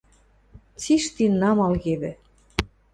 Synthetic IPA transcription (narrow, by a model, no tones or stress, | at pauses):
t͡siʃt̪inːɑmɑlɣeβɘ̆